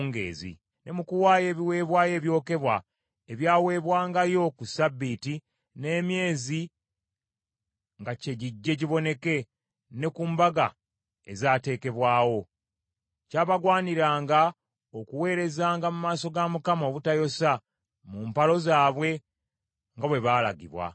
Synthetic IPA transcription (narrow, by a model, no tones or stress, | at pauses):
ŋɡḛːzḭ | nʔe̞mukuwaːje̞ːβiwe̞ːβwaːje̞ːβjo̞ːke̞βwa̰ | eβjaːwe̞ːβwaːŋɡajo̞kusabːiti | ne̞ːmje̞ːzi | ŋɡace̞ɟiɟːe̞ɟiβo̞ne̞ke̞ | ne̞kuːmbaɡa̰ | ḛzaːte̞ːke̞βwaːwo̞ | caːβaɡwaːniɾaːŋɡa | okuwe̞ːɾe̞zaːŋɡamumaːso̞ɡamukamo̞βutajo̞sa | mumpalo̞zaːβwe̞ | ŋɡaβwe̞βaːlaɡḭβwa̰